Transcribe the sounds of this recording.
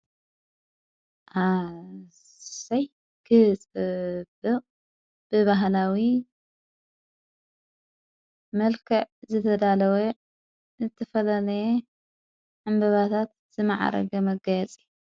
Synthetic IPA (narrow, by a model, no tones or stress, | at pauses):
ʔa | saj | kʰɨhɨt͡sʼɨbɨqʼ | b̥ɨβaɦlawi | mɐlkʰɐʕzɨt̪ʰɐd̪alɐwe | zɨt̪ʰɐfɐlalɐje | ʕɨmbɐβat̪ʰat̪̚ | z̥ɨmaʕa̰ɾɐ̰ɡɐmɐɡɐjɛt͡sʼil